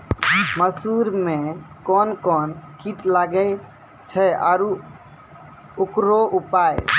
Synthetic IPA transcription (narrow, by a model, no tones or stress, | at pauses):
məsuɾmekɔnkɔnkʰiʈlaɡɛ | t͡ʃʰɛa̰ɾu | ukɾoupaj